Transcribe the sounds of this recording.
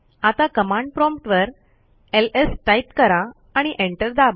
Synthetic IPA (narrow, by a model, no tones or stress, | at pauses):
at̪akəmãɳɖ̚pɾɔ̃mpʈʋəɾ | elesʈajt̪kəɾaː | ɽ̃iʔeɳʈəɾd̪aʋ